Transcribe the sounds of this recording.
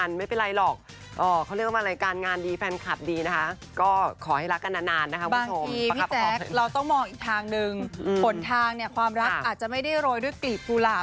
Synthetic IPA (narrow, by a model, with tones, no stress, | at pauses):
a˧nma˥˩jpe˧nɾa˧jlɔː˨˩k̚ | ʔɔː˨˩kʰa˧˥wɾi˥˩əkwaː˥˩ɾaː˧jkaː˧nŋaː˧ndiː˧fɛː˧nkʰa˨˩p̚diː˧na˦˥kʰa˦˥ʔ | kɔː˥˩kʰɔː˩˦ha˥˩jɾa˦˥kːa˧nːaː˧naː˧nːa˦˥˦pʰubaː˦˧ŋʰo˧mʰiː˧i˦t͡ɕɛ˧˦˥k̚ɾa˧wt̪ɔ˥˩ŋmɔː˧ŋʔiː˨˩k̚t̪ʰaː˧ŋnɯ˧ŋːpʰo˩˦nnt̪ʰaː˧ŋni˥˩əkʰwaː˧mɾa˦˥kʔaː˨˩t̪̚t͡ɕa˨˩ʔma˥˩jda˥˩jɾoː˧jdu˥˩əjkli˨˩p̚kuː˧la˨˩